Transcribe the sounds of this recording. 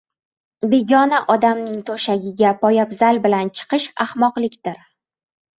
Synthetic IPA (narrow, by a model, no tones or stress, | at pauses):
be̞ɡʲɒnaʔɒd̪amnɪŋt̪ʰoʃaɡʲɪɡʲapʰɒjapzalbɪlant͡ʃʰɨ̥qɨʃahmɒqlˠɪkʲd̪̥ɪɾ